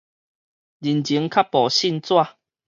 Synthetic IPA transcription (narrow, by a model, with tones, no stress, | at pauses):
d͡ʑi˨˩nt͡ɕi˨˦ŋkʰa˦˥pːɔ˨˩ɕi˥˧nt͡swa˥˧˨